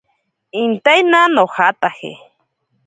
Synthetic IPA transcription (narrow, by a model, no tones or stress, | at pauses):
int̪ajnanohat̪ahḛ